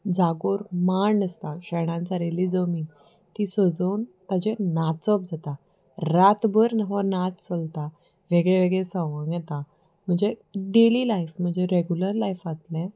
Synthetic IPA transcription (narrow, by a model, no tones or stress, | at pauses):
d͡zaɡoɾmaɳəst̪aɕɛɽ̃ãnt͡saɾeliːd͡zəmiːn | t̪isəd͡zənt̪ad͡ʑenat͡səp̚d͡zat̪a | ɾat̪bəɾnɦɔnat̪t͡səlt̪a | ʋeɡɭeʋeɡɭesə̃ʋəŋɡjɛt̪a | m̤əɳd͡zeɖelilajfm̤əɳd͡zeɾeɡjuləɾlajfat̪lɛ̃